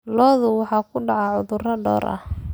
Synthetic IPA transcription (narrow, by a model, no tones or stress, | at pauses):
lɔːðʊwɑħɑːkʰʊɖɑʕɑʕʊðʊrɐɖɔ̰ːɾʔɐ̰h